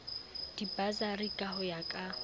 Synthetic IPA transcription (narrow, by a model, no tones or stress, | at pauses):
d̥ibazarikʼahʊjakʼa